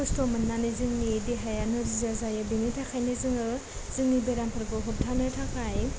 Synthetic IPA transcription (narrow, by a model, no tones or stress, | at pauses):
ɔstomɯnːanizɯŋnideɦajanɯɾizazajabinitʰakʰajnɯzɯŋɯ | zɯŋnibeɾampʰɯɾɡɯɦɔp̚tʰanɯtʰakʰaj